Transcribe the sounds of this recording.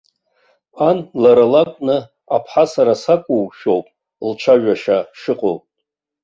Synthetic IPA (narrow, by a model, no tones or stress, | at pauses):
anlaɾalakʷʼnɨ | apʰħasaɾasakʷʼuwʃᶣo̞wpʼ | lt͡ʃʷʰaɥᶣaʃaʂɨqʼowpʼ